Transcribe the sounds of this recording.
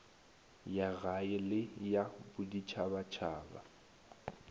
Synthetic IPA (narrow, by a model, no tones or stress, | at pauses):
jaɣaɪlɪjabʊdit͡ʃʰabat͡ʃʰaːba̰